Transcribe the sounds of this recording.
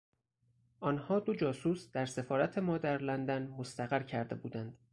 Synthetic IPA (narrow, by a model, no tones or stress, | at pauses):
ʔɒːnhɒːd̪o̞d͡ʒɒːsuːsd̪̥æɾse̞fɒːɾæt̪ʰe̞mɒːd̪æɾlænd̪ænmost̪æɣæɾcʰæɾd̪e̞̰buːd̪ænd̪̥